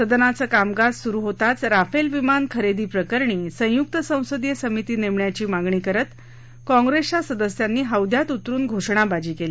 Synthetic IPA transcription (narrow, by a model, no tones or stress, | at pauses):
səd̪ənat͡səːkamɡad͡zsuɾuːɦot̪at͡sɾafelʋimankʰəɾed̪iːpɾəkəɾɳiːsə̃juk̚t̪əsə̃w̃səd̪jəsəmit̪iːneʋɳjat͡ɕiːmaɡɳiːkəɾət̪ | kɔ̃ŋɡɾest͡ɕasəd̪əsjanːiːɦəwd̪ʱjat̪ut̪ɾuːnɡʱoʂɳabad͡ʑiːkeli